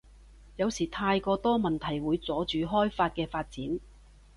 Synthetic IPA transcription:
jɐ˨˧wsiː˨˩t̪ʰaː˧jkɔː˧t̪ɔː˥mɐ˨nt̪ʰɐ˨˩jwuː˨˧jt͡sɔː˨˥t͡ʃyː˨˧ɦɔː˥jfaː˧t̚kɛː˧faː˧t̚t͡siː˨˥n

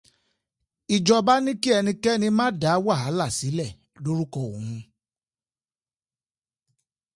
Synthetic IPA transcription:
i˨d͡ʒɔ˧ba˦nĩ˦ki˦ɛ˧nĩ˧kɛ˦nĩ˧mãː˦da˨˦wa˦˨ɦa˨˦la˦˨si˨˦lɛ˦˨ | lo˦ɾu˦kɔ˧˨o̰˨hũ˧

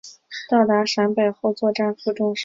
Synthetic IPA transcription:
t̪ɑ˥˩ʊt̪a˧˥ʂa˧˥npe˨˩ɪxo˥˧ʊt͡swɔ˥˧ʈ͡ʂa˥˧nfu˥˧ʈ͡ʂʊ˥˧ŋʂ

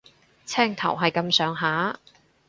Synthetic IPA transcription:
t͡sʰɛː˥ŋt̪ʰɐ̰˨˩wɦɐ˨jkɐ˧msœː˨˧˥ŋɦaː˨˥

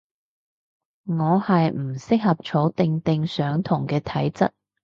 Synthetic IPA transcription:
ŋɔː˨˧hɐ˨jm̩˨˩sɪ˥k̚hɐ˨p̚t͡ʃʰo˨˥wt̪ɪ˧ŋt̪ɪ˨˧ŋsœː˨˥ŋt̪ʰʊ˨˩ŋkɛː˧t̪ʰɐ˨˥jt͡sɐ̰˥t̚

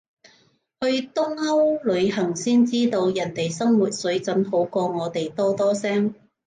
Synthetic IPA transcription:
hɵ˧ɥt̪ʊ˥ŋhɐ˥wlɵ˨˧ɥhɐ˨˩ŋsiː˥nt͡siː˥t̪o˧wjɐ˨˩nt̪e˨jsɐ˥mwuː˨t̚sɵ˨˥ɥt͡sɐ˨˥nɦo˨˥wkɔː˧ŋɔː˨˧t̪e˨jt̪ɔː˥t̪ɔː˥sɛː˥ŋ

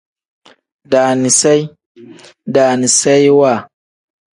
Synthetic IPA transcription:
daː˨ni˨sa˦j | daː˨ni˨sa˦jwa˦˨

